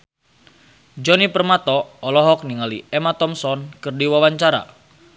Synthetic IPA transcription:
d͡ʒɔnipərmat̪ɔːlɔɦɔk̚niŋalḭɛmat̪ɔmsɔnkɨrdiwawaɲt͡ʃaɾa̰

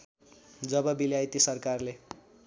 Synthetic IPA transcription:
d͡zʌbʌbiljajt̪isʌrkarle

